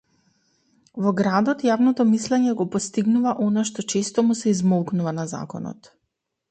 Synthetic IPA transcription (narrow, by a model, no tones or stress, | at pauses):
vɔɡɾad̪ɔt̪javnɔt̪ɔmislɛɲɛɡɔpɔst̪iɡnuvaʔɔnaʃt̪ɔt͡ʃɛst̪ɔmusɛizmɔlˠknuvanaza̰kɔ̰nɔ̰t̪